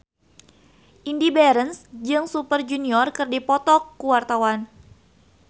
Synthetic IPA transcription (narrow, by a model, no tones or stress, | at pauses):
ʔindibɛɾənsd͡ʒɨŋsupərd͡ʒuniɔrkərdipɔt̪ɔkːuwart̪awan